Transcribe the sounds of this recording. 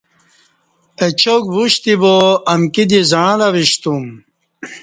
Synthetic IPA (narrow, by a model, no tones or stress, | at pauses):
et͡ɕokbuɕt̪iboɐmkid̪izãlaʋiɕt̪um